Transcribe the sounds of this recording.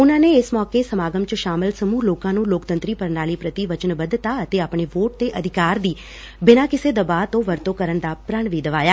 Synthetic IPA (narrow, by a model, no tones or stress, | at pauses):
ʊnãːneːɪsmɔːkeːsəmaːɡəmt͡ʃəʃaːmɪlsəmuːloːkãːnũːloːkt̪ənt̪ɾiːpəɾnaːliːpɾət̪iːʋət͡ʃənbəd̪t̪aːət̪eːaːpɳeːʋoːʈ̚d̪eːʔəd̪ʱɪkaːɾd̪iː | bɪnãːkɪseːd̪əbaːt̪õːʋəɾt̪õːkəɾənd̪aːpɾəɳʋiːd̪əʋaːjaː